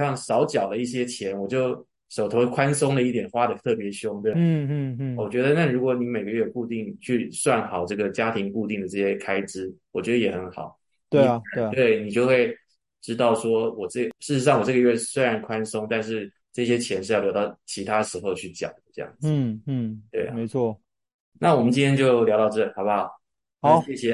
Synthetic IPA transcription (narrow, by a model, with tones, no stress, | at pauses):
ɑ˥˩ŋsɑ˧˥ʊt͡ɕjɑ˨˩ʊlə˦i˥˩ɕ̬jɛ˥t͡ɕʰjɛ˧˥nwɔ˨˩t͡ɕjo˥˩ʊ | ʂo˨˩ʊt̪ʰo˧˥ʊkʰwa˥nsʊ˥ŋd̪ə˨˦i˥˩t̪jɛ˨˩nxwa˥d̪ə˨t̪ʰɤ˥˩pjɛ˧˥ɕjʊ˥ŋɛ˥˩˥wɔ˨˩t͡ɕɥɛ˧˥d̪ə˧na˥˩ɻu˧˥kwɔ˧˥ni˧˥me˨˩ɪɡə˦˥ɥɛ˥˧ku˥˧t̪i˥˧ŋt͡ɕʰy˥˧swa˥˩nxɑ˨˩ʊʈ͡ʂɤ˥˩ɡə˩t͡ɕja˥t̪ʰi˧˥ŋku˥˧t̪i˥˩ŋd̪ə˩ʈ͡ʂɤ˥˩ɕjɛ˥kʰa˥ɪʈ͡ʂɻ̩˥wɔ˨˩t͡ɕɥɛ˧˥d̪ə˧jɛ˨˩xə˧˦˥nxɑ̰˨˩˦ʊ | t̪we˥˩˥t̪we˥˩ɪni˨˩t͡ɕjo˥˧ʊxwe˥˩ɪ | ʈ͡ʂɻ̩˥t̪ɑ˥˩ʊʂwɔ˥wɔ˨˩ʈ͡ʂɤ˥˩ʂɻ̩˥˩ɻ̩˧ʂ̬ɑ˥˩ŋwɔ˨˩ʈ͡ʂɤ˥˩ɡə˩ɥɛ˥˧˥swe˥ɪɻa˧˥nkʰwa˥nsʊ˥ŋt̪a˥˧nʂ̬ɻ̩˥˧ | ʈ͡ʂɤ˥˩ɕ̬jɛ˥t͡ɕʰjɛ˧˥nʂɻ̩˥˧jljt̪ɑ˥˩ʊt͡ɕʰi˧˥t̪ʰa˥ə˩ʂɻ̩˧˥xo˥˧ʊt͡ɕʰy˥˩t͡ɕjɑ̰˨˩ʊd̪ə˦ʈ͡ʂɤ˥˧jɑ̰˥˩ŋd͡zɹ̩˥˩˥t̪we˥˩ɪ˨me˧˥ɪt͡sʰwɔ˥˩ | na˥˩wɔ˨˩mənt͡ɕi˥nt̪ʰjɛ˥nt͡ɕjo˥˩ʊljɑ˧˥ʊt̪ɑ˥˧ʊʈ͡ʂɤ˥˩li˨˩xɑ˨˩ba˦˧˨ | ɕjɛ˥˩ɕjɛ˧